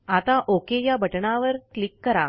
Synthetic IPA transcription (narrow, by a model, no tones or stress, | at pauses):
at̪aʔokejabʱəʈɳaʋəɾklikːəɾa